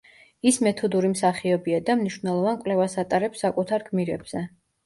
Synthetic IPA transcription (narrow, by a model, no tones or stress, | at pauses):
ismɛt̪ʰɔd̪uɾimsaχiɔbiad̪amniʃvnɛlˠɔvankʼwlɛvasat̪ʼaɾɛpsakʼut̪ʰaɾɡʰmiɾɛbz̥ɛ